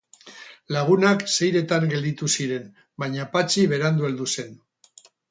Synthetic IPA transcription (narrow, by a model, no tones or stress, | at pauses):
laɣ̞unakse̞jɾe̞t̪aŋɡe̞ld̪it̪usiɾe̞n | bajɲapat͡ʃiβ̞e̞ɾand̪ueld̪use̞n